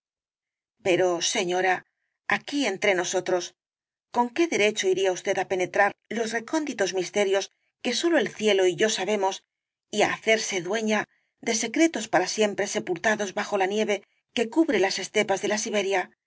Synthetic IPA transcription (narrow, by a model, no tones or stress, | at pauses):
pe̞ɾo̞se̞ɲo̞ɾa | akie̞nt̪ɾe̞no̞so̞t̪ɾo̞s | ko̞ŋke̞ðe̞ɾe̞t͡ʃo̞iɾiaust̪e̞t̪ape̞ne̞t̪ɾaɾlo̞zre̞ko̞nd̪it̪o̞zmist̪e̞ɾjo̞s | ke̞so̞lo̞e̞lθje̞lo̞iʝo̞saβe̞mo̞s | ia̰ːθe̞ɾse̞ðwe̞ɲa | ðe̞se̞kɾe̞t̪ospaɾasje̞mpɾe̞se̞pult̪aðo̞zβaxo̞lanje̞βe̞ | ke̞kuβɾe̞lase̞st̪e̞pazðe̞lasiβe̞ɾja